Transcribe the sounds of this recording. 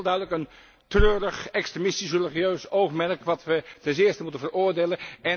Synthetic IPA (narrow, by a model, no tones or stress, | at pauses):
lˠdœɥdələkən | trøːɾəχɛkstremɪstisreliχijøɥsowχmɛrkʋɑtʋətɛns̬ɪːɹstəmutənvərʊːɹdejlənɛ